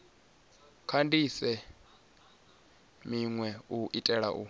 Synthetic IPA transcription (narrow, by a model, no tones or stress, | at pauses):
kʰandʱisɛ | miŋwɛuʔitʼɛɺa̰ʔṵ